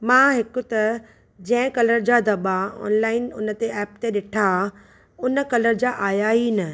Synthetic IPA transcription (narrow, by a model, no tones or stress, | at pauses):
mãːɦɪkʊt̪ɐ | d͡ʑɐ̃ɦɪ̃kɐləɾd͡ʑad̪ɐɓaɔ̰ːnlaːɪnʊnə̆t̪eʔɛːpt̪eɗɪʈʰa | ʊnə̆kɐləɾd͡ʑaːʔaːjaːinɐ